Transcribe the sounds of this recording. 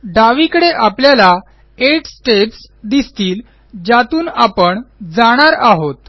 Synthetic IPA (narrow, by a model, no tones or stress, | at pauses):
ɖaʋikəɽeʔapljala | eʈsʈeps | d̪ist̪iːl | d͡ʑat̪uːnapəɳd͡zaɽ̃aɾaɦot̪